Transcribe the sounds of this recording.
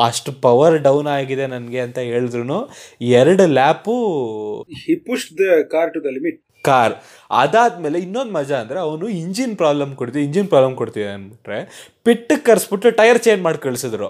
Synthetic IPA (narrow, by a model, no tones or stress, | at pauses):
ɐʂʈupɐʋɐɾɖɐwnaːɡid̪e̞nɐnɡe̞ɐnt̪ɐɦe̞ːɭid̪ɾunuːɛɾɐɽulaːpu | hipuʂʈd̪ɐkaːɾʈukɐlimiʈ̚ | kaːɾ | ɐ̰d̪aːd̪meːle̞inːo̞nd̪mɐd͡ʒɐːnd̪ɐɾeɐʋɐnuiɲd͡ʒinpɾaːblɐmkoɽt̪iiɲd͡ʒinpɾaːblɐmkoɽt̪ijɐnɐnbiʈɾe̞piʈːɨkːɐɾsbiʈɾuʈɐjɐɾt͡ʃeːnmaːɖkɐɭisid̪ɾu